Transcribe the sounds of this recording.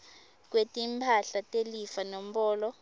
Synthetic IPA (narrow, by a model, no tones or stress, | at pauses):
k̬ʼwetʼimpʰaɬatʼelifanom̩ɓɔːlɔ